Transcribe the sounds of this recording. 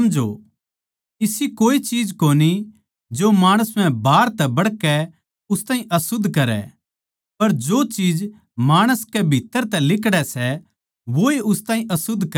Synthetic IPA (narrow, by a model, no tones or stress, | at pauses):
md͡ʒo̰ | ɪsikoːit͡ʃiːd͡ʒkoːni | d͡ʒomaːɽ̃əsm̤ɛ̃bʱaːɾt̪ɛbɐɽkɛ | ʊst̪ãːɦĩʔɐsʊd̪ʱːkɐɾɛ̰ | pɐɾd͡ʒoːt͡ʃiːd͡ʒ | maːɽ̃əskɛbʱɪt̪ːəɾt̪ɛ̃lɪkɽɛsɛ | ʋoiʊst̪ãːɦĩʔɐsʊd̪ʱːkɐ